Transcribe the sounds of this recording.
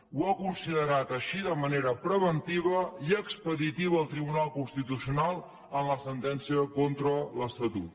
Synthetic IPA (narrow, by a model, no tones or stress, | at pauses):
wakunsiðəɾat̪əʃiðəməneɾəpɾəβənt̪iβəiəkspəðit̪iβəːlˠt̪ɾiβunalˠkunst̪it̪usiunalˠ | ənləsənt̪ɛnsiəkont̪ɾələst̪ət̪ṵt̪